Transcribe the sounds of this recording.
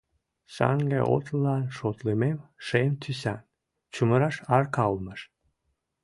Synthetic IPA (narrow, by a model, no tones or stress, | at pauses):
sɑ̰ŋɡḛʔo̰t̪lɑnʃot̪limemʃemt̪ʰysæn | t͡ɕuməɾɑʃɑrkɑlməʃ